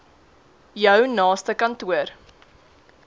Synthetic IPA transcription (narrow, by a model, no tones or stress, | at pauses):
jœwnɑːstəkɐntuər